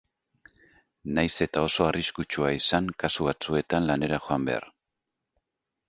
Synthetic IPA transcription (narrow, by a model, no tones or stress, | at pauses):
najse̞t̪ao̞so̞ariskut͡ʃuaisaŋkasuβat͡sue̞t̪anlane̞ɾaxo̞ambe̞̰a̰r